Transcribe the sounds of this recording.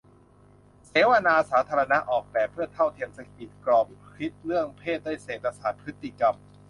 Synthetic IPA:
seː˨˦wʔa˧naː˧saː˩˦t̪ʰaː˧ɾa˧na˦˥ʔɔː˨˩k̚pɛː˨˩pʰɯ˥˩ɐt̪ʰa˥˩wt̪ʰi˧əmsa˧˩i˨˩t̪̚klɔː˧˩mɾi˦˥t̪̚lɯ˥˩əŋpʰeː˥˩t̪̚daː˥˩˨jseː˨˩t̪̚ːa˧saː˨˩t̪̚pʰɯ˦˥t̪ːi˧˩ka˧m

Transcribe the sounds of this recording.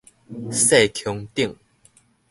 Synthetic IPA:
sa˥˩ɪt̪ʰjʊ˧˥ŋt̪i˥˩ŋ

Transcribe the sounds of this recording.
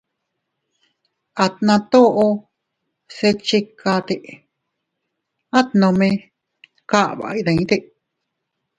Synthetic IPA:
a˨t̪nã˧t̪o˦ʔo˧ | se˧t͡ʃi˧kʰa˧t̪e˨ʔ | a˦t̪nõ˧mẽ˧ | ka˦ʔβa̰˨i˧ðã˨ĩ˦t̪e˦˧ʔ

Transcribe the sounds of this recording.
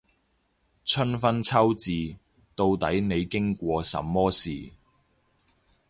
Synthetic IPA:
t͡ʃʰɵ˥nfɐ˥nt͡sʰɐ˥wt͡siː˨ | t̪o˧wt̪ɐ˨˥jne˨˧jkɪ˥ŋkʷɔː˧sɐ̰˨˥mːɔː˥sḭː˨

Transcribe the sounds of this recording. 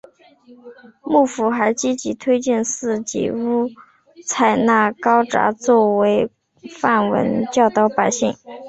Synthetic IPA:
mu˥˩fu˧˥xa˧˥ɪt͡ɕi˥t͡ɕi˧˥t̪ʰwe˥ɪt͡ɕjɛ˥˧nsɹ̩˥˩t͡ɕḭ˧˥˩u˥˩ | t͡sʰa˨˩ɪna˥˩kɑ˥ʊʈ͡ʂa̰˧˥t͡swɔ˥˩we˧˥ɪ | fa˥˩nwə̰˧˥nt͡ɕjɑ˥˧ʊt̪ɑ˥˩ʊpa˨˩ɪɕi˥˩ŋ

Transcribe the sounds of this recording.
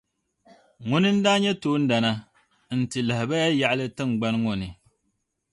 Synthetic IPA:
ŋʊ˦nɨ˦n̩˦daː˦ɲɛ˦toː˨˦n̩˦da˨na˦ | n̩˨tɨ˨la˨hɪ˨ba˦ja˦ja˨ʔlɨ˦tɨ˦˨ŋ͡mɡ͡ba˦nŋo˨nɨ˨

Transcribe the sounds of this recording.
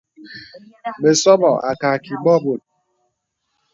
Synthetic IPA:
me˨sɔ˦mɔ˨a̰˨ka˨ki˨bɔ˦bo˨t̚

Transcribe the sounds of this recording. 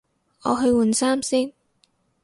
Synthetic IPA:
ɔ̰ː˨˧ɦɵ˧ɥwu˨˩nsaː˥msiː˥ŋ

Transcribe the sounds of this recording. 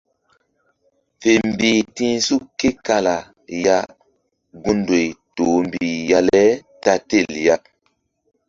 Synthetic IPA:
fe˨m˨biː˨tĩ˦su˦kːe˦ka˦la˨ | ja˦ | ɡũ˦ndo˨jto˨˦m˨bi˨ja˦lɛ˦ta˦te˦˨lja˦

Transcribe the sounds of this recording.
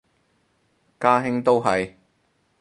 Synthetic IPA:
kaː˥ɦɪ˥ŋt̪o˥wɦɐ˨j

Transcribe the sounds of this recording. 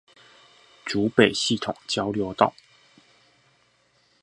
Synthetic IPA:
ʈ͡ʂu˧˥pe˨˩ɪɕi˥˩t̪ʰʊ˨˩ŋt͡ɕjɑ˥ʊljo˧˥ʊt̪ɑ̰˥˩ʊ

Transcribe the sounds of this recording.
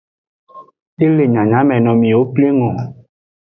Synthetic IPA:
e˦le˨ɲã˨ɲã˨˦mɛ̃˨nɔ̃˨mĩ˨wo˦ple˦ŋɔ̃˨

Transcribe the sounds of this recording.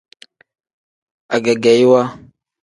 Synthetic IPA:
a˨ɡa˨ɡa˨ji˦wa˦

